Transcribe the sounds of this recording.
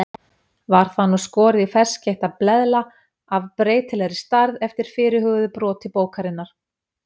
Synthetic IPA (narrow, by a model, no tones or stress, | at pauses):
vaɾ̥θanːuskɔːɾɪðifɛr̥sceht̪aplɛðla | avpɾeːjt̪ɪlɛɾɪst̪aɾðɛft̪ɪɾ̥fɪːɾɪɦʏɣðʏpɾɔːt̪ɪpoːwkaɾɪnːaɾ̥